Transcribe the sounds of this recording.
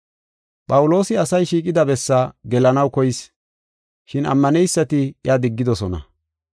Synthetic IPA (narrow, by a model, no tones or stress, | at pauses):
pʼɐwʊlo̞ːsɪɐsɐjʃiːkʼɪd̪ɐbɛsːaɡɛlɐnɐwkɔjɪs | ʃɪnɐ̰mːɐnɛjsːɐt̪ɪjaːd̪ɪɡːɪd̪ɔsɔnɐ̰